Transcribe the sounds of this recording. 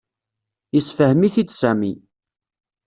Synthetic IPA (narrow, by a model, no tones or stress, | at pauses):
isfəhmiθit͡sːsæmi